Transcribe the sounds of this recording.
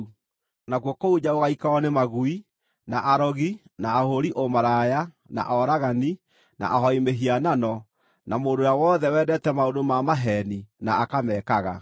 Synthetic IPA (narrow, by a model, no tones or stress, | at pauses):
naɣwɔkouɲaoɣaikaɔnemaɣui | naʔaɾɔɣinaːhoɾiʔomaɾaja | na̰ʔɔɾaɣani | na̰ʔahɔimeɦiananɔ | namoːndojawɔðɛwɛːdɛtɛmaodomamaɦɛninaakamɛːkaɣa